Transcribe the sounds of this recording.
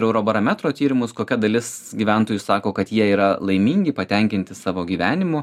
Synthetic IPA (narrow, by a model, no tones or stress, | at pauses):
ɾɛʊɾoːbɐɾɐmʲæt̪ɾoːt̪ʲiːɾʲɪmʊskoːkʲɛd̪ɐlʲɪsɡʲiːʋʲænt̪oːjʊsɑːkoːkɐt̪jiɛiːɾɐlˠɐɪmʲiːŋʲɡʲɪpɐt̪ʲɛŋʲkʲɪnʲt̪ʲɪsɑːʋoːɡʲiːʋʲæːnʲɪmʊ